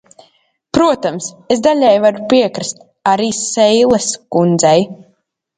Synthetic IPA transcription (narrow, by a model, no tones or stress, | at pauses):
pɾuɔt̪amsesd̪aʎʲɛjvaɾupiɛkɾst̪ | aɾiːsɛjlˠɛskund̪zɛj